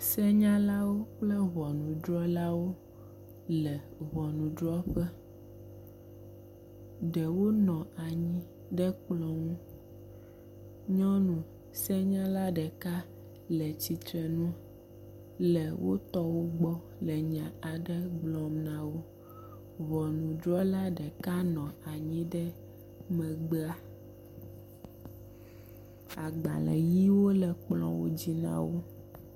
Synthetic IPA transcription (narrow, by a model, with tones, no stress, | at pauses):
sɛ˦ɲã˦la˦wo˦k͡plɛ˦ɣɔ˨nũ˨dɾɔ˦la˦wo˦ | lɛ˨βɔ˨nũ˨d̪ɾɔ˦ɸɛ˦ | ɖɛ˨wo˦nɔ̃˨a˨ɲĩ˦ | ɖɛ˦k͡plɔ̃˦ŋũ˦ | ɲɔ̃˦nũ˨ | sɛ˦ɲã˦la˦ɖɛ˨ka˦ | lɛ˨t͡ɕi˨t̪ɾɛ˨nũ˦ | lɛ˨wo̰˦t̪ɔ˦wo˦ɡ͡bɔ˦ | lɛ˨ɲã˨a˨ɖɛ˦ɡ͡blɔ̃˨mnã˨wo˦ | βɔ˨nũ˨dɾɔ˦la˦ɖɛ˨ka˦nɔ̃˨a˨ɲĩ˦ɖɛ˦ | mɛ̃˨ɡ͡be˦a˦ | a˨ɡ͡ba̰˨lɛ̰˨ji˦wo˦lɛ˨k͡plɔ̰̃˨wo̰˦d͡ʑi˦nã̰˦wo˦